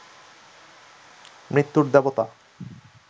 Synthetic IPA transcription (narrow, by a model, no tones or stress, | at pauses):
mɾit̪ːuɾd̪ɛbot̪a